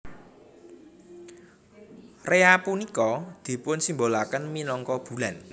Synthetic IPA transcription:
reapunikɔd̪̥i̤pʊnsimbolakənminɔŋkɔb̥ṳlan

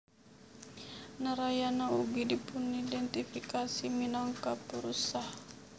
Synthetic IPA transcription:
nəɾajanauɡidipunidɛnt̪ifikasiminaŋkapuɾusah

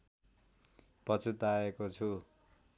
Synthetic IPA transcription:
pʌt͡sʰut̪aekot͡sʰu

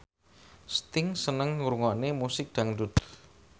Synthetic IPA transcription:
st̪ɪŋsənəŋuɾuŋɔnemusɪk̚d̪̥a̤ŋɖut̪

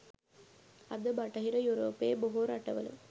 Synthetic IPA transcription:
ɐd̪ɐbaːʈːɐɦɪɾɐjuːɾoːpːeːboɦoːɾaːʈːɐʋɐ̰lɯ̰

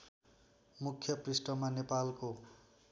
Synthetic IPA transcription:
mukʰjʌprisʈʌmanepalko

